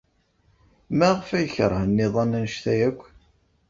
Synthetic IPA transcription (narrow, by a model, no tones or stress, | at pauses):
mæʁfæjəçəɾˤhənːɪðˤɑnænʃθæjækʷː